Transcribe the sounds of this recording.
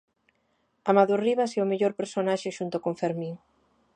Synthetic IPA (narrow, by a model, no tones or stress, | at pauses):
amaðoriβaseomeʎoɾpeɾsonaʃeʃunt̪okoɱfeɾmĩŋ